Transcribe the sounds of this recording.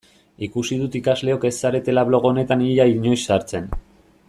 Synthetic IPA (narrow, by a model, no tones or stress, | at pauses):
ikusiðut̪ikazle̞o̞ke̞sːaɾe̞t̪e̞laβlo̞ɣo̞ne̞t̪aniʎaiɲo̞jsaɾt͡se̞n